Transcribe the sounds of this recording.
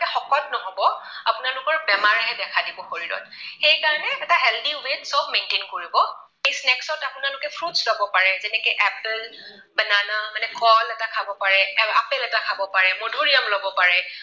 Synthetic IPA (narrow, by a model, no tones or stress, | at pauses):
ɛxɔkɔt̚nɔɦobɔapʊnalʊkɔɹbɛmaɹaɦɛdɛkʰadibɔxoɹiɹɔ̰t̚xejkaɹɔnɛːtaɦɛldiwensɔbmentenkoɹibɔ | ejsnɛksɔtapʊnalʊkɛpʰɹutslɔbɔpaɹɛzɛnɛkɛʔɛpl | bɛnanamanɛkɔlɛtakʰabɔpaɹɛɛapelɛtakʰabɔpaɹɛmodʱoɹijamlɔbɔpaɹɛ